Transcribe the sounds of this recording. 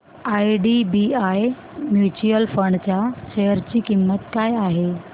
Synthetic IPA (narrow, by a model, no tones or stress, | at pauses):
aːiɖibiaːj | mjuːt͡ɕuəlfəɳɖt͡ɕaʃɐɦəɾd͡ʑiːkimːət̪kaːjaːɦeː